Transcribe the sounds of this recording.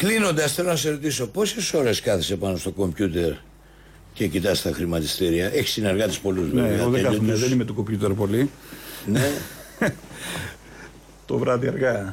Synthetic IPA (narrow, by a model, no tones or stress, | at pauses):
klino̞nd̪ɐsθe̞lonɐs̬eɾo̞t̪̬iso̞po̞se̞so̞ɾe̞skɐθise̞pɐno̞st̪o̞ko̞mpçut̪e̞ɾ | ce̞cit̪ɐst̪ɐxɾimɐt̪ist̪iɾiɐʔe̞çi̥sineɾɣɐt̪ispo̞luzveveoeeɐθoumeðenimet̪ukompçut̪eɾpo̞li | ne | t̪o̞vɾɐðiɐɾɣɐ